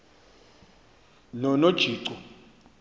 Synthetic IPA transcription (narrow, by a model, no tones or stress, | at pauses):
nɔnod̥ʒ̥ʱiːǀɔ